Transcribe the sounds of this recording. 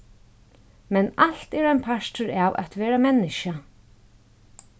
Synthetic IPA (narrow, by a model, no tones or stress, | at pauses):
mɛnal̥t̪ɛɾajnpʰaʂtʏɹaːwʔa̰t̪ʋɛːɾamɛnːɪʃa